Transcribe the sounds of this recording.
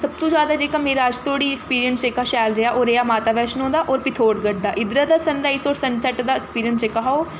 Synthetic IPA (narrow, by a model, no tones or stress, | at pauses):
səb̚t̪õːzjaːd̪aːd͡ʒeːkaːmeːɾaːəd͡ʒt̪ʰoːɽiːɪkspiːɾijənst͡ʃekaːʃɛːlɾeaːʔoːɾejaːmaːt̪aːʋɛːʃnõːnd̪aːʔɔːɾpɪt̪ʰoːɽɡəʈ̚d̪aːʔɪd̪ɾaːd̪aːsənɾaːiːsoːɾsənsɛʈd̪aːɪkspiːɾijənst͡ʃekːaɦaːoː